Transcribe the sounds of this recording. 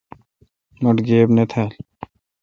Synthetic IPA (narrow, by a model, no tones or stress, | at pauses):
mɐʈɡeːbnet̪ʰal